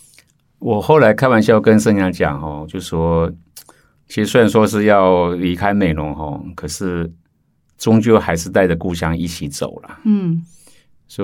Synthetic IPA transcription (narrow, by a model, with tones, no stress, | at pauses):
wɔ˨˩xo˥˩ʊla˧˥ɪkʰa˥˩nwa˧˦nɕjɑ˥˧kə˦nʂə˥˧ŋja˥ŋt͡ɕjɑ̰˨˩ŋɦɔ˥˩t͡ɕjo˥˧ʊs̩˧˩ʂwɔ˥ | t͡ɕʰi˧˥˧swe˥ɻa˨nʂ̬wɔ˥ʂ̬ɻ̩˥˧jɑ˥˩ʊli˧˥kʰa˦ɪmẽ˨˩ɪlʊ˨˧˥ŋxɔ̰˥˧kʰɤ˨˩ʂɻ̩˥˩ | t͡sʊ˥ŋt͡ɕjo˥˧ʊxa˧˥ɪʂɻ̩˥˧t̪a˥˩ɪdə˩ku˥˩ɕja˥ŋḭ˥˩t͡ɕʰi˨˩t͡so̰˨˩ʊlə˨˩˥ | s